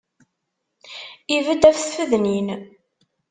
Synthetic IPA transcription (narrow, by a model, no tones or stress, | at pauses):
ivəd̪æfθfəðnin